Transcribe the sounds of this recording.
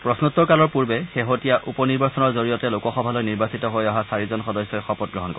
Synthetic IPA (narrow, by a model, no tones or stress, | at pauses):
pɹɔsnutːɔkalɔɹpuɹbɛxeɦotijaʔupɔniɹbasɔnɔɹzoɹijɔtɛlokɔxɔbʱalɔjniɹbasitɔɦojaɦasaɹizɔnxɔdɔsjɔjxɔpɔt̚ɡɹɔɦɔnkɔ